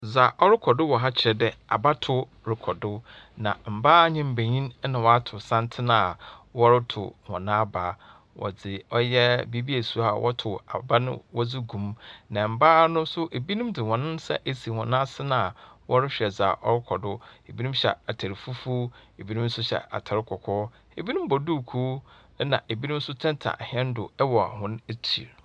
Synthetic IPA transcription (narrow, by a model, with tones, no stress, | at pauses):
za˨ʔɔ˦ɾɪ˦kʰɔ˨dʊ˦wɔ˨ɦa˦t͡ɕʰɪ˨ɾɛ˨dɛ˨a˨ba˦tʰʊ˦ | ɾɪ˨kʰɔ˨dʊ˦nã̰˨m̩˨baː˦˨ɲɪ̃˦m̩˨be˨ɲĩ˦n˦nã˨wɔ˨a˦tʰʊ˨sã˦ntʰɪ˦nã˦a˨wɔ˦ɾɪ˦tʰʊ̰˨hɔ̰̃˨nã˦a˦baː˨˦ | wɔ̰˨d͡zɪ˨ɔ˦jɛ˦bi˦bi˦æ˨su˦˨˦a˨wʔɔ˦tʰʊ˨a˨ba˦nɪ̰̃˦wɔ˦d͡zɪ˦ɡũ˨mnã˨m̩˨baː˦nʊ̃˦sʊ˦ʔe˨bi˦nĩ˦mdɪ˨hɔ̃˨nʊ̃˦n˦sɛ̰˦ʔe˦si˨hɔ̃˨nã˦sɪ˦nã˦a˨wɔ˦ɾɪ˦ɕᶣɛ˨d͡zaː˨ʔɔ˦ɾɪ˦kʰɔ˨dʊ˦e˨bi˦nũ˦mɕɛ̰˨a˨tʰæ˨ɾi˨fu˦fu˦e˨bi˦nũ˦n̩˦sʊ˦ɕɛ̰˨a̰˨tʰa˨ɾɪ˦kʰɔ˨kʰɔː˦ | e˨bi˦nũ˦m˦bɔ˨du˦˨kʰu˦nã̰˨ʔe˨bi˦nũ˦m̩˦sʊ˦tʰɛ̃˦n˦tʰa̰˨hɛ̃˦n˦dʊ˨ɛ˦wɔ˨a̰˨hʊ̃˦ne˦t͡ɕʰḭ˨ɾ